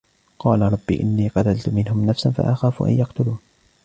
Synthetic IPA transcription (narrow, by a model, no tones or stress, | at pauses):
qɑːlaɾˤɑbːḭːʔɪnːiːqɑt̪alt̪ʊmɪnhʊmnafsanfa̰ʔaxaːfʊ̰ʔa̰njɑqt̪ʊluːn